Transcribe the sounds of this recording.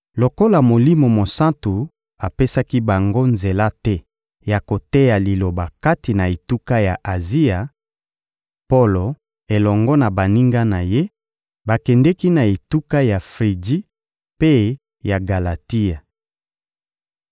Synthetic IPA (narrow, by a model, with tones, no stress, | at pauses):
lo˨ko˦la˨mo˨li˦mo˨mo˨sa˦tu˨ | a˨pe˦sa˦ki˦ba˨ŋɡo˦nze˨la˦tɛ˦ | ja˨ko˨tɛ˦ja˨li˨lo˨ba˨ka˦ti˨na˨e˨tu˦ka˦ja˨ʔa˨zi˦a˨ | po˦lo˨ | e˨lɔ˨ŋɡɔ˦na˨ba˨ni˦ŋɡa˦na˨je˦ | ba˨kɛ˨ndɛ˦ki˦na˨e˨tu˦ka˦ja˨fʁi˨d͡ʒi˦ | pe˦ | ja˨ɡa˨la˨ti˦a˨